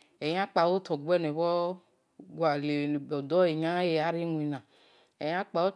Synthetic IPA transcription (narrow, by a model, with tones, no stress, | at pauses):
ɛ˨ɲ˦ã˦k͡pa˨wo˦t̪ɔ˨ɡu˦ɛ˦ne˨βɔ˦ | ɡwa˨le˨bɔ˨dɔ˦e˨ɲã˦je˨a˦ɾi˦nũ˨i˨nã˨ | ɛ˨jã˦k͡pa˨wo˦